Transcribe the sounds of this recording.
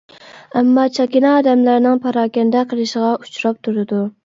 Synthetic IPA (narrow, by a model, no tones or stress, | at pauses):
ɛmːɑt͡ʃʰɑkʲinɑːd̪ɛmlæɾɪnɪŋpʰɑɾɑːkʲɛnd̪ɛqʰəlˠɨʃɪʁɑut͡ʃʰɾɑp̚t̪ʰuɾɨd̪u